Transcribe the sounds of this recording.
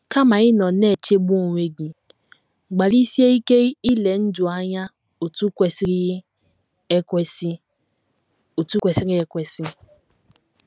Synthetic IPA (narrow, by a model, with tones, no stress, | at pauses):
ka˦ma˨ɪ˦nɔ˨ne˦˨t͡ʃe˦bu˦o˨ŋʷe˨ɡi˨ | ɡ͡ba˨li˦si˦e˦i˦ke˦i˦le˨n̩˦dʊ˨a˦ɲa˦ | o˨tu˦ke˨sɾ | s | o˨tu˦kʷe˨si˦ɾi˦e˦kʷe˨si˦